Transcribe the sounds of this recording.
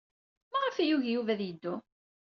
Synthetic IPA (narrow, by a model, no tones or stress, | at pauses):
mæʁafæjuʝjuvæðjəd̪ːu